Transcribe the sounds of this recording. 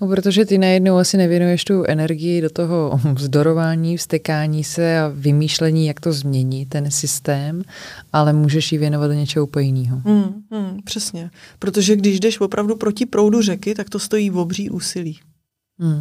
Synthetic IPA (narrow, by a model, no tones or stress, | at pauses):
nopɾot̪oʒɛt̪ɪnajɛdnowasɪnɛvjɛnujɛʃt̪uʔɛnɛɾɡɪjɪdo̞t̪oɦo̞vzdo̞ɾo̞vaːɲiːfst̪ɛkaːɲiːsɛavɪmiːʃlɛɲiːjak̚t̪o̞zmɲɛɲɪt̪ːɛnsɪst̪ɛːmʔalɛmuːʒɛʃjɪvjɛnovat̪ɲɛt͡ʃɛɦopojɪniːɦomm̩pr̝̥ɛsɲɛpɾot̪oʒɛɡdɪʒdɛʃvo̞pɾʔavdupɾo̞cɪpɾo̞wdurɛkɪt̪ak̚t̪o̞st̪o̞jiːvobr̝iːʔuːsɪliː